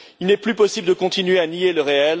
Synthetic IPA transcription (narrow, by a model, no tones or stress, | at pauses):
ilnɛplypɔsibld̪əkɔ̃t̪inɥeanieləʁeɛl